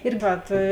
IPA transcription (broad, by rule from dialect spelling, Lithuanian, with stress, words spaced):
ɪr ˈʋɐt